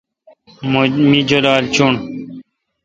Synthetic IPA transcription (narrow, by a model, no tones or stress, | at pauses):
miːd͡ʒolaːlt͡ʃʰuɳ